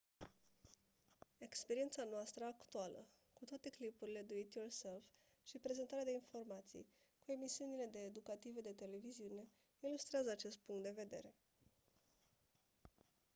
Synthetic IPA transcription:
e̞kspe̞ɾie̞nt̪sanoast̪ɾəakt̪ualə̰ | kut̪oat̪e̞klipuɾile̞d̪uit̪jorse̞lf | ʃipɾe̞ze̞nt̪aɾead̪e̞info̞rmat̪sḭj | kue̞misiunile̞d̪e̞ːd̪ukat̪ived̪e̞t̪e̞le̞viziune̞ | ilust̪ɾeazəat͡ʃe̞st̪̚puŋkt̪d̪e̞ve̞d̪e̞̰ɾe̞

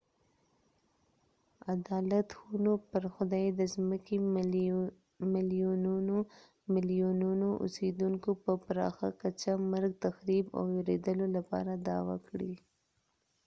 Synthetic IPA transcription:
ad̪ɑlat̪xunopəɾxʊd̪ɑjd̪əzməke | mɪlijunu | mɪlijununoʔʊ̰sed̪uŋkopəpɾɑ̰xa̰kat͡ʃamaɾɡ̚t̪axɾiba̰wjeɾed̪əlolapɑ̰ɾad̪ɑwa̰kɽi

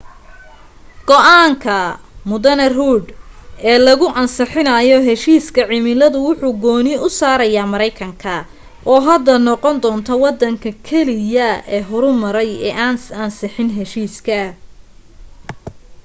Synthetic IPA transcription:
ɡ̥ɔʔaːŋkʰɐ | mʊðɐnɐruːɖ̪ɛːlɐɣʊʔɐnsɪħɪnɐjɔɦɛʃiːskʰɐʕɪmɪlɐðʊwʊħuːɡɔːnɪʊsaːɾɐjaːmɐɾɛjkʰɐŋkʰɐ | ʔɔːɦɐd̪ɐnɔqɔnd̪ɔːnt̪ʰɐwɑd̪ɐŋkʰɐkʰɛlɪjɐɛːɦɔɾʊmɐɾɛjɛːaːnsɐnsɪħɪnɦɛʃiːskʰɐ

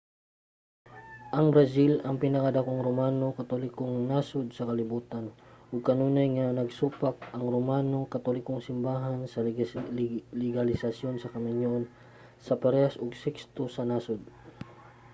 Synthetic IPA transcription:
ʔɐŋbɾɐsilɐŋpɪnɐkɐd̪ɐkoŋɾomaːno̞kɐt̪olɪkoŋnaːsod̪̚sɐkɐlɪbuːt̪ɐnʔʊɡ̚kɐnuːnɐjŋanɐɡsuːpak̚ɐŋɾomaːno̞kɐt̪olɪkoŋsɪmbaːɦansɐ | lɪɡɐlɪsɐsjo̞nsɐkɐmɪɲjon | sɐpɛɾɛhɐsoɡsɛkst̪osɐnaːsʊd̪̚

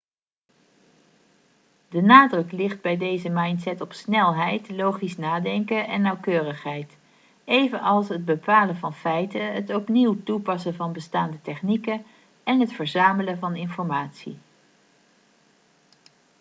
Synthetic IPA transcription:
dənaːdrɵklɪχd̚bɛjdejzəmɑjntsɛtɔpsnɛlˠɦɛjtlowχisnaːdɛŋkəʔɛnːɑwkøːrəχɦɛjt | ejvənɑlˠsɦəd̚bəpaːləvɑnfɛjtəɦətɔpniwtupɑsənvɑnbəstaːndətɛχnikə | ɛnɦətfəɹzaːmələnvɑnɪnfɔɹmaːtsḭ

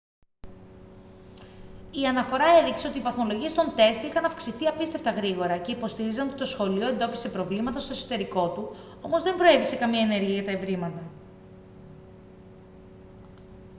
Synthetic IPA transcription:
iɐnɐfo̞ɾɐe̞ðikse̞o̞t̪iːvɐθmo̞lo̞ʝie̞st̪o̞nt̪e̞st̪ixɐnɐfksiθiɐpist̪e̞ft̪ɐɣɾiɣo̞ɾɐce̞ipo̞st̪iɾizɐnot̪i̥t̪o̞sxo̞lio̞end̪o̞pi̥se̞pɾo̞vlimɐt̪ɐst̪o̞eso̞̥t̪e̞ɾiko̞t̪u | o̞mo̞zðe̞mbɾo̞e̞vise̞kɐmiɐene̞ɾʝiɐʝɐt̪ɐevɾimɐt̪ɐ

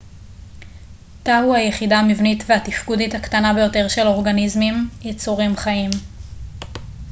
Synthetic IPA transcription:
tahuajeχidaːmivnitveatifkudithakt̪anabe̞jo̞te̞ʁʃe̞lo̞ʁɡanizmimjet͡suʁimχaim

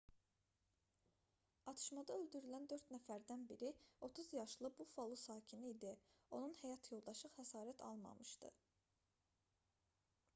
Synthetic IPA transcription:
ɑt̪ʰɯ̥ʃmɑd̪ɑøld̪yɾylænd̪øɾt̪næfæɾd̪ænbiɾio̞t̪ʰuzjɑʃlˠɯbufolˠusɑːcʰiniːd̪io̞nunhæjɑt̪ʰjo̞lˠd̪ɑʃɯχhæsɑːɾæt̪ʰɑ̰lˠmɑ̰mɯʃt̪ɯ̰

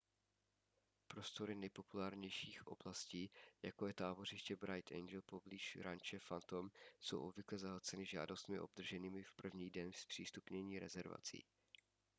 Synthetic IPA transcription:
pɾo̞st̪o̞ɾɪnɛjpo̞pulaːɾɲɛjʃiːxʔo̞̰blasciːjakojɛt̪aːbo̞r̝ɪʃcɛbɾajt̪ɛ̰jnd͡ʒɛlpo̞bliːʃɾant͡ʃɛfant̪o̞msowʔo̞bvɪklɛzaɦat͡sɛnɪʒa̰ːdo̞st̪mɪʔo̞̰b̚d̪r̩ʒɛniːmɪfpr̩vɲiːdɛnspr̥iːst̪upɲɛɲiːɾɛ̰zɛɾva̰t͡sḭː

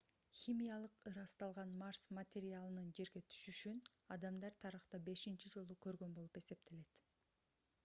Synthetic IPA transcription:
xʲimʲijalˠɯqɯɾɑst̪ɑlˠʁɑnmarsmɐt̪ʲeɾʲɪalˠɯnɯnd͡ʒe̞ɾɡe̞t̪ʰy̥ʃyʃyn | ɑd̪ɑmd̪ɑɾt̪ʰɑɾɯχt̪ɑbe̞ʃint͡ʃid͡ʒo̞lˠukø̞ɾɡø̞nbo̞lˠupe̞se̞p̚t̪ʰe̞le̞t̪

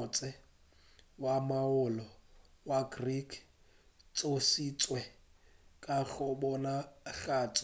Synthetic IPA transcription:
t͡sʼɛ | wamaʊlɔwaɡrikʰ | t͡sʼosit͡sʼwɛ | kʼaɣʊbɔnaɣaːt͡sʼ

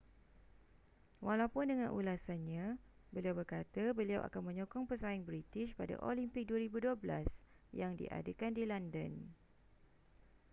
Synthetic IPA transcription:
walawpʊndəŋãnʔṵlasanɲãbəliawbərkat̪abəliawʔa̰kanmə̃ɲɔkɔŋpəsaɪŋbɾit̪ɪʃpada̰ʔolimpɪk̚duaɾibuduabla̰s | jaŋdḭʔa̰dəkandilandən

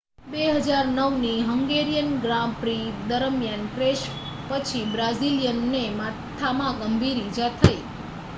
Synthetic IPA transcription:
beɦəd͡ʒaɾnəʋniɦəŋɡeɾijənɡɾampɾid̪əɾəmjanpɾeʃ | pət͡ʃʰibɾazilijənːemat̪ʰamãɡəmbʱiɾid͡ʒat̪ʰəi

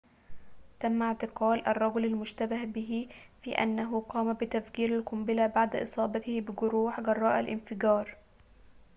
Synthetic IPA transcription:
t̪amːaʕt̪ɪqɑːlʔɑrˤːɑɡʊlalmʊʃt̪abahbɪɦifiːʔa̰nːaɦʊqɑːmabɪt̪afkiːɾalkʊmbɪlabaʕd̪aʔɨ̰sˤɑːbɑt̪ɪhbɪɡʊɾuːħɡɑrˤːɑːʔalʔɪ̰nfɪɡɑːɾˤ

